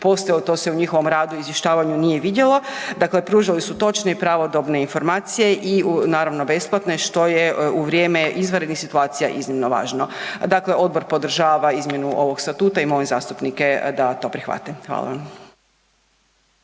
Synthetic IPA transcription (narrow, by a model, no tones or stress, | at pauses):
po̞selot̪o̞ːse̞uɲixo̞ʋo̞mɾaːd̪uizʋjeʃt̪aːʋaɲunije̞ʋid̪jelo̞d̪akle̞pɾuːʒalisut̪o̞t͡ʃne̞ipɾaʋo̞d̪obne̞info̞ɾmaːt̪sije̞ʔinaːɾaʋno̞be̞splˠat̪ne̞ʃt̪o̞jeuʋɾʲjeːmeʔizʋaɾed̪nixsit̪uaːt̪sija̰ʔiznimno̞ʋa̰ːʒno̞d̪akle̞ʔo̞d̪̚bo̞ɾpo̞d̪r̩ʒaːʋaizmje̞nuʔo̞ʋo̞ɡst̪at̪uːt̪aimo̞ezaːst̪upnike̞d̪at̪o̞ːpɾixʋa̰t̪emxʋa̰ːlˠa̰ʋam